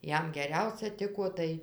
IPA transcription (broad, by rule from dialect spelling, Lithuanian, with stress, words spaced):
ˈjɛm ɡʲɛˈrʲɛʊsʲɛ ˈtʲɪkoː ˈtɐɪ